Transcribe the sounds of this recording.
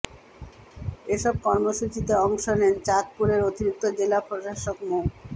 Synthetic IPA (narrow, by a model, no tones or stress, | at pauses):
eʃɔb̚kɔɾmoʃut͡ɕit̪eɔŋʃonent͡ɕat̪̚puɾeɾot̪iɾik̚t̪od͡ʑelapɾoʃaʃokmo